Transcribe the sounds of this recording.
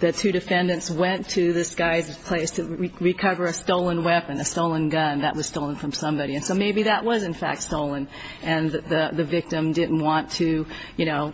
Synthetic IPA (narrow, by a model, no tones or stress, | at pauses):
ðɨtʰʉɾɨfɛ̃ndɨ̃ntswɛ̃ntʰɨðɨsɡ̥aɪzpʰl̥eɪstʰɨiɹikʰʌvə˞ɨstoʊlˠə̃nwɛpɨ̃nɨstoʊlˠə̃nɡʌ̃nðɨʔ̚wʌz̥stoʊlˠə̃nfɹʌ̃msʌ̃mbɑɾiɨ̃nsoʊmeɪbiðəʔwʌzɨ̃nfæ̰k̚tstoʊlˠə̃n | ɨ̃nðɨðɨðɨvɪk̚tɨ̃mdɪdⁿn̩ʔwɑ̃ntʰɨ | jɨñoʊ